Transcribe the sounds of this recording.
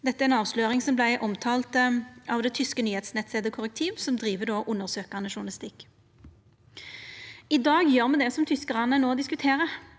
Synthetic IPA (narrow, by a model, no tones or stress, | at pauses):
d̪ɛt̪ːəæɾɛnɑːʋsløːʁɪŋsɔmblæɪʔɔmt̪ʰɑːlt̪ɑʋd̪ɛːt̪ʰʏskənyːheːt̪snɛt̪seːd̪əkʰʊʁək̚t̪ʰiːʋsɔmd̪ʁiːʋəd̪oːʔʊnːəʁsøːkɑnəʃʊnlɪst̪ɪkː | ɪd̪ɑːɡjøːʁmɛd̪ɛsɔmt̪ʰʏskəʁɑnːənoːɔd̪ɪskʉt̪ʰeːʁə